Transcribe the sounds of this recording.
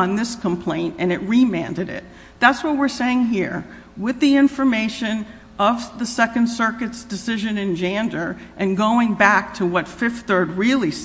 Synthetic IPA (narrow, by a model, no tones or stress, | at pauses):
nðɪskʰə̃mpʰl̥ẽɪ̃ntɨ̃nɨt̚ɹimæ̰̃ndɨɾɪ̰t̪̚ | ðætswʌt̚wɪɹseɪɪ̃ŋɦiɹ | wɪðiɪ̃ɱfə˞meɪʃɨ̃n | ʔʌvðɨsɛkɨ̃nd̥sɜ˞kɨtsd̥ɨsɪʒɨ̃nɨ̃nd͡ʒæ̃ndə˞ʔɨ̃nɡoʊɪ̃ŋbæk̚tʰəwʌtfɪfθɜ˞d̚ɹɪlˠis